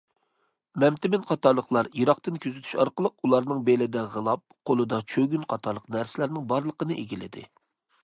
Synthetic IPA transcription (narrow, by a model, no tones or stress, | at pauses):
mɛmt̪ɪmɪnqʰɑt̪ɑɾlˠəχlˠɑɾjiɾɑqt̪ɨnkʲʰøzɪt̪ʰy̥ʃɑɾqəlˠəqulˠɑɾnɨŋbelɪd̪ɛʁəlˠɑp̚qʰolˠɨd̪ɑt͡ʃʰøɡʲynqʰɑt̪ʰɑɾlˠəqnæɾsɪlæɾnɪŋbɑɾlˠəqənɨʔeɡʲilɪ̰d̪ɪ̰